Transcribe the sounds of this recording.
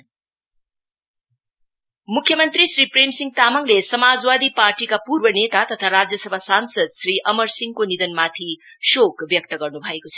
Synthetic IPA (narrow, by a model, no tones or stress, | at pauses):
mukʰjʌmʌnt̪ɾisɾipɾemsiŋt̪amʌŋlesʌmad͡zwad̪ipaɾʈikapuɾbʌnet̪at̪ʌt̪ʰaɾad͡zjʌsʌbʱasansʌd̪̚sɾiʔʌmʌɾsiŋkonid̪ʌnmat̪ʰi | ʃokbjʌk̚t̪ʌɡʌrnubʱʌekot͡sʰʌ̥